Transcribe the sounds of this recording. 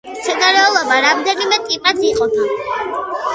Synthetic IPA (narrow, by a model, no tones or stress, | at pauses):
t̪sʰɛd̪aɾɛɔlˠɔbaɾamd̪ɛnimɛt̪ʼipʼat̪siqʼɔd̪a